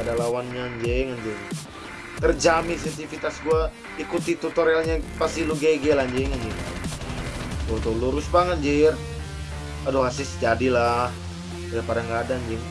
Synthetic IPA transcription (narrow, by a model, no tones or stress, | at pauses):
adalawanɲand͡ʒɛŋand͡ʒeŋ | t̪ərd͡ʒamisɛt̪ifit̪asɡua | ikut̪it̪ut̪ɔɾalɲapasiluɡaiɡɛlaɲd͡ʒɛŋand͡ʒi | t̪ot̪uluɾʊsbaŋət̪̚d͡ʒir | adoɦasɪsd͡ʒadilah | ajapadaŋɡaːdand͡ʒɪŋ